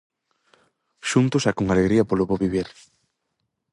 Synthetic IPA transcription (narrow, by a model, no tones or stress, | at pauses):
ʃunt̪ʊsakoŋaleɣɾiɐpoloβoβiβeɾ